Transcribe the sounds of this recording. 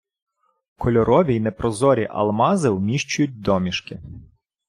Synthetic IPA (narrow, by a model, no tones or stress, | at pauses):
kʰɔlʲɔɾɔʋʲijnɛpɾɔzɔɾʲiʔɐ̰lˠmɑzɪwmʲiʃt͡ʃʊjʊt̚ʲd̪ɔmʲiʃkɪ